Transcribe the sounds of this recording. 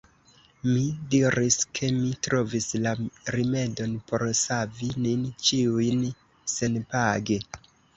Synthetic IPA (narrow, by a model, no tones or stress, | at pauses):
midiɾiskʰe̞mitɾo̞vislaɾime̞do̞npo̞ɾsavinint͡ʃiujn | se̞npaɡe